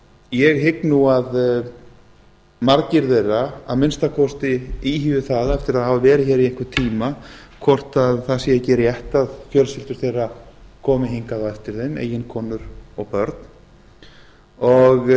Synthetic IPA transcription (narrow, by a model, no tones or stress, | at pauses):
jɛɣɦɪknuað | maɾcɪɾθejrːaaðmɪnst̪akʰɔst̪ɪiːɦiːvɪθaːðaɛft̪ɪɾaðhavavɛːɾɪçɛːɾiehkvʏɾt̪ʰiːmakʰvɔr̥t̪aðθasiɛcɛːɾɪjɛht̪aðçœlsɪlt̪ʏɾ̥θejrːakʰɔːmɪɦiŋkaðaɛft̪ɪɾθejmḛːjɪnkʰɔːnʏɾɔɣpœɾt̪n̥ | ɔɣ